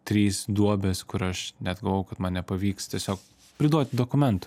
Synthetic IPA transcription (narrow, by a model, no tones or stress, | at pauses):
t̪ʲɾʲiːsd̪uɔbʲɛskʊɾɐʃnʲɛd̪ɡɐlˠʋɐʊkɐt̪mɐnnʲɛpɐʋʲiːkst̪ʲiɛsʲoːk̚ | pʲɾʲɪd̪uɔt̪ʲd̪oːkʊmʲɛnt̪ʊ̥